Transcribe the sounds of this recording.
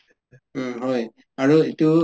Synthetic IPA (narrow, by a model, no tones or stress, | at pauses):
ɦoj | aɹuitu